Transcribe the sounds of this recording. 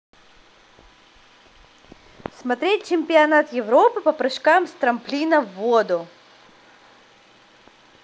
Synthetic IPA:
smɐt̪ɾʲet̚ʲt͡ɕɪmʲpʲɪɐnat̪jɪvɾopɨpɐpɾɨʂkamst̪ɾɐmplʲinəvːod̪ʊ

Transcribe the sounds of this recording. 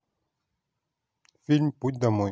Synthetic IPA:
filmput̚d̪amõ

